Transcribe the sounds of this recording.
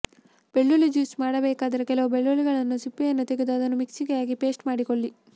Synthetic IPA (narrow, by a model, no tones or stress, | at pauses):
b̥eɭːulid͡ʒuːsmaːɽɐbɛːkaːd̪ɐɾɐkɛlɐʋɐbeɭːuliɡɐɭɐnːusipːijɐnːut̪eɡed̪uɐd̪ɐnːumiksiɡɛjaːɡipe̞ːsʈmaːɽikoɭːi